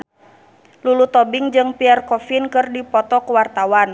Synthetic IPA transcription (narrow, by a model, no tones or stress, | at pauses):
lulut̪ɔbiŋd͡ʒɨŋpiarkɔfinkɨrdipɔt̪ɔkuwart̪awan